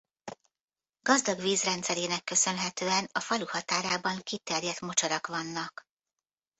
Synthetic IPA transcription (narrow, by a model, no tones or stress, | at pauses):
ɡ̥ɒzd̪ɒɡʋiːzrɛnt̪sɛɾeːnɛkːø̞sø̞nɦɛt̪øːɛnɒfɒluhɒt̪aːɾaːbɒŋkit̪ɛrjɛt̪mo̞t͡ʃɒɾɒkʋɒnːɒk